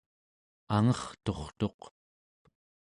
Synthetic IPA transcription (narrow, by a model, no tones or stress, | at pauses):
aŋʌχt̪o̞χt̪o̞q